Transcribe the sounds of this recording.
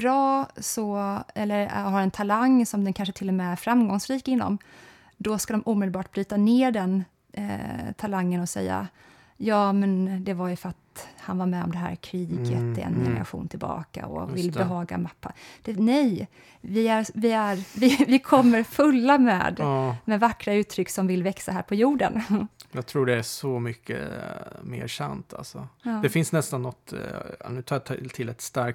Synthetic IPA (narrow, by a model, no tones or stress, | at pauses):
bɾɑːsɔɛlːəɾɦaɾɛnt̪ʰalaŋːsɔmd̪ɛnkʰanʂət̪ʰɪlːɔmɛæɾfɾamɡɔŋsɾiːkɪnːɔ̰m | d̪ɔskad̪ɔmʔuːmɪd̪lbɑːʈ̚bɾyːt̪aneːɖɛn | t̪ʰalaŋːənɔsɛ̰jːa̰ | jɑːmɛnd̪ɛvajɵfœɾat̪hanvaɾmɛɔ̰md̪ɛɦæ̰ːɾkʰɾiːɡə̰t̪ɛ̰njɛ̰ɡɾa̰ɧṵːnt̪ʰɪlbɑ̰ːka̰ɔ̰vɪlːbɛɦɑːɡa̰mapːad̪̥ɛnɛj | vɪæɾvɪæɾvɪvɪkʰɔmːəɾfɵlːamɛ̰ːd̪mɛvakːɾaʉ̟ːt̪ʰːɾʏkːsɔmvɪlvɛksaɦæːɾpʰɔjuːɖənjɑːɡ̚t̪ʰɾuːɖɛæsɔmʏkʰːə̰mḛːɾʂa̰nt̪ʰa̰lsɔ̰ːd̪ɛfɪnsnɛst̪anːɔt̪nʉ̟ːt̪ʰɑːt̪ʰɪlːɛt̪st̪aɾk̚